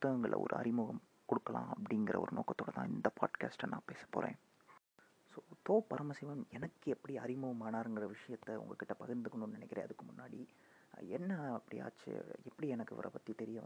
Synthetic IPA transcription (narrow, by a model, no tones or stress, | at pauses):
ʊt̪ːɐɣɐŋɡɐɭ̰ɔ̰ɾɯ̰ɐ̰ɾɪmʊɣɐm | kɔɽɯkːɐlã̰ːɐpːɐɽɪŋɡɪɾɐ̰ɔ̰ɾɯno̰ːkːɐt̪ːoːɽɐt̪ãːɪnd̪ɐpa̰ːʈka̰ːsʈnãːpeːsɐ̥pːo̰ːɾḛ̃ː | soːt̪oːpɐɾɐmɐsɪʋɐmɛnɐkːɯɛpːɐɽiɐɾɪmʊɣɐmaːnaːɾɯŋɡɪɾɐʋɪʂɐjɐt̪ːɐʊ̰ŋɡɐkːɪʈːɐpɐɣɪɾnd̪ɯkːɔnːunnɪnɛkːɪɾḛ̃ːɐðɯkːɯmʊnːaːɽi | ɛnːɐɐpːɐɽḭa̰ːt͡ʃːɯ̰ɛpːɐɽiɛnɐkːɯʋɐ̰ɾʔɐ̰pɐt̪ːit̪ɛɾɪjɐ